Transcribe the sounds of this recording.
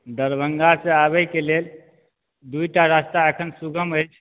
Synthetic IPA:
d̪əɾbəŋɡasẽaβəjkelel | d̪ujʈaɾast̪aəkʰənsuɡʱəməjt͡ʃʰ

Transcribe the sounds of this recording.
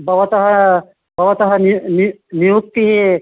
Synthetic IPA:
bʱɐʋɐt̪ɐɦɐ | bʱɐʋɐt̪ɐɦɐnininijuk̚t̪iɦi

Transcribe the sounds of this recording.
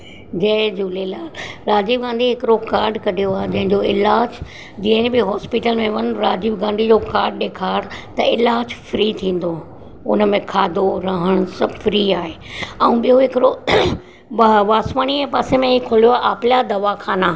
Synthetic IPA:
d͡ʑɐ̃d͡ʑuːlelaːɾaːd͡ʑiːʋɡãːnd̪iɦɪkɪɾokaːɾɖkɐɗijoaːɦed͡ʑɐ̃ɦɪ̃ɲd͡ʑoɪlaːd͡ʑ | d͡ʑĩːnbɪɦɔːspiʈəlmẽʋɐnɾaːd͡ʑiːbɡãːnd̪ʱid͡ʑokaːɾɖɗeːkʰaːɽt̪ɐɪlaːd͡ʑfɾit̪ʰĩːn̆d̪o | ʊnəmẽkʰaːd̪oɾɐɦəɽ̃sɐbfɾiaːɦe | ɛ̃ũɓijoɦɪkɪɾo | ʋaːsʋaːɽ̃iɛ̃paːsẽmẽɦikʰolijoaːʔaːpljad̪ɐʋakʰaːnaː

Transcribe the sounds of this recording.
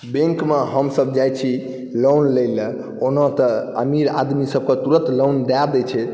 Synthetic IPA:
bẽŋkmeɦəmsəbd͡ʒajt͡ʃʰi | lonləjl | onɔt̪əə̰miɾa̰d̪misəb̚ket̪uɾə̃t̪lownɖad̪ɛt͡ʃʰɛ

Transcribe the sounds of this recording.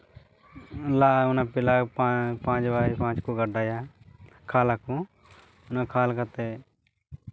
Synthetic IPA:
laːʊnaːpɪlaːpapãːd͡ʒʋaːipãːd͡ʒkoːɡəɖaːjaː | kʰaːlaːkũː | ʊnaːkʰaːlkət̪eː

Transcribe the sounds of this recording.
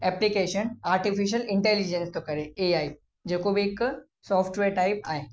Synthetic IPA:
ɛplikeːʃənaːɾʈifiʃ̬əlɪ̃ɳʈeːlid͡ʑenst̪okɐɾeeaːi | d͡ʑeːkobʱiek | sɔːfʰʈʋeːɾʈaːɪp̚aːɦe

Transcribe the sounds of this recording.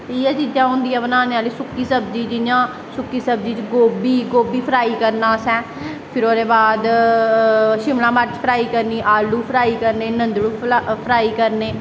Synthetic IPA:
iːɛːt͡ʃid͡ʒãːɦʊ̃nd̪iːãːbənaːneaːliːsʊkːiːsəbd͡ʒiːd͡ʒɪãː | sʊkːiːsəb̚d͡ʒiːt͡ʃɡoːbiːɡoːbiːpʰəɾaːiːkəɾnaːsɛ̃ː | pʰɪɾoːɾeːbaːd̪ | ʃɪmlãːmət͡ʃpʰəɾaːiːkəɾniːʔaːlːuːpʰɾaːiːkəɾneːnənd̪ɽuːpʰɾaːiːkəɾneː

